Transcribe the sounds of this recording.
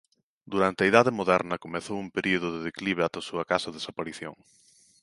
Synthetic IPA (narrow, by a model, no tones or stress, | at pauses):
d̪uɾant̪ɪɐiðaðɪmoðɛɾnɐkomeθowumpeɾioð̞ʊðɪðekliβ̞eat̪ɐsuɐkasɐðesapaɾiθjo̰ŋ